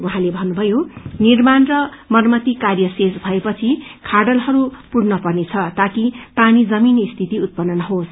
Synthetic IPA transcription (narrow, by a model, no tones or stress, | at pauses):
uɦãlebʱʌnːubʱʌjonirmanrʌmʌrmʌt̪ikarjʌsed͡zbʱʌepʌt͡sʰikʰaɖʌlɦʌɾupuɽnʌpʌrnet͡sʰʌt̪akipanid͡zʌminist̪ʰit̪iut̪̚pʌnːʌnʌɦos